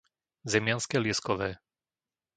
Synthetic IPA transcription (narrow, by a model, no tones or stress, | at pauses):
zɛmjanskɛljɛskɔʋɛː